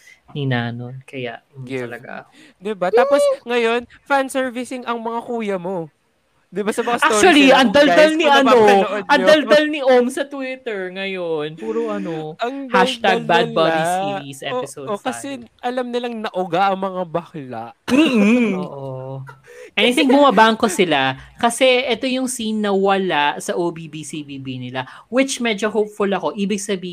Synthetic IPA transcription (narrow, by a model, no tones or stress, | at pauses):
ninaːnonkɐja̰ʔɡɪɐvɐɡa̰d̪ɪbat̪aːposŋɐjo̞n | fansɛɹvɪsɪŋɐŋmɐŋakuːjɐmo̞ | d̪ɪbasɐmɐŋasat̪ot͡ʃuɐliɐŋd̪ɐlalniɐnoɐnoʔod̪ʔɐŋd̪ɐld̪ɐlnɪʔomsɐt̪wɪt̪ɛɹŋɐjonpuːɾoʔɐnoɐŋhaʃt̪aɡ̚bad̪̚bad̪isiɾisʔɛpɪsowdɐsɛʔɐlamnɪlɐŋnɐʔʊɡaʔɐŋmɐŋabɐkla̰ʔm̩ːo̰ːʔo | ʔɛnnɪt̪ɪŋbʊmɐbaɐŋko̞sɪlakɐsɛʔɛt̪o̞jʊŋsinːɐwɐlaʔsɐʔoːbibisibiːbinɪla | wɪt͡ʃmɛd͡ʒoɦowpfʊlɐko̞ʔiːbɪɡ̚sɐbiːh